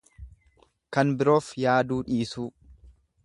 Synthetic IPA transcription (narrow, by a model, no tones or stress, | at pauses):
kɐnbɪɾo̞ːfjaːd̪uːᶑiːsuː